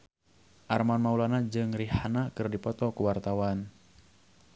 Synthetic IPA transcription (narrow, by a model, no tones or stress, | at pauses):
ʔarmanmaulanad͡ʒɨŋrihanakɨrdipɔt̪ɔkuwart̪awan